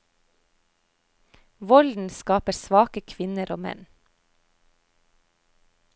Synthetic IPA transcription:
ʋɔld̪n̩skɑːpəɾsʋɑːkəkʰʋɪnəɾʔoːmɛ̰n

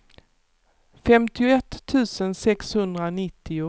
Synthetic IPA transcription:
fɛmt̪ɪʊɛt̪ʰːʉ̟ːsənsɛkshɵnd̪ɾanɪt̪ʰːɪʊ

